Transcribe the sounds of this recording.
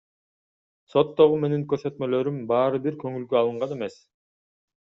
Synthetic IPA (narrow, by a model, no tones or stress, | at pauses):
so̞t̪ːo̞ʁume̞niŋkøɾsø̞t̪mø̞lø̞ɾymbɑːɾɯbiɾkø̞ŋylɡøɑlˠɯɴʁɑne̞me̞s